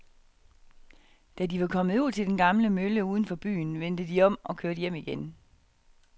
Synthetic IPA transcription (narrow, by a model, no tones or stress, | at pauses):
d̥ædiʋɑ̈kʰɒ̽mð̩ˠuð̰ˠt͡sʰe̝ld̥enɡ̥ɑ̈mləmøləuːð̞ˠn̩fɒ̽b̥y̰ːnʋen̰d̥əd̥iɒ̽m̰ʔɒ̽kʰøɐd̥jem̰iɡ̥en